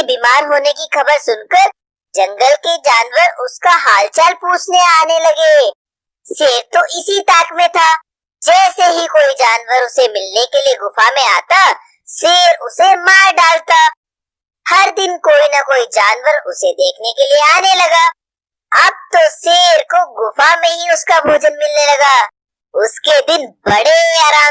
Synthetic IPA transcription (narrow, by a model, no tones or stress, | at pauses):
biːmaːɾɦoːnekixɐbəɾsʊnkəɾ | d͡ʒɐ̃ŋɡəlked͡ʒaːnwəɾʊskaɦaːlt͡ʃaːlpuːt͡ʃʰneaːnelɐɡeː | seːɾt̪oʔɪsit̪aːkmẽt̪ʰa | d͡ʒɛːseɦikoːid͡ʒaːnwəɾʊsemɪlnekelieɡʊfamẽaːt̪a | seːɾʊsemaːɾɖaːlt̪a | hɐɾd̪ɪnkoːinɐkoːid͡ʒaːnwəɾʊsed̪eːkʰnekelieaːnelɐɡaː | ɐb̚t̪oseːɾkoɡʊfamẽɦiʊskabʱoːd͡ʒənmɪlnelɐɡaː | ʊsked̪ɪnbɐɽeeaːɾaː